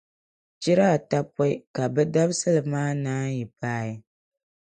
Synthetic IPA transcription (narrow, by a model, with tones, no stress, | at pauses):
t͡ʃi˦ɾa˦˨ta˦pɔ˦ɪ˦ka˨bɛ˦da˦bsɨ˦lɨ˨maː˦naː˦ji˨paː˦˨i˦